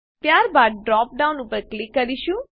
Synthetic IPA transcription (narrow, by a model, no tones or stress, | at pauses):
pjaːɾbaːʈ̚ɖɾɔːp̚ɖaːʊ̃nʊpəɾklɪkːɐɾiʃũ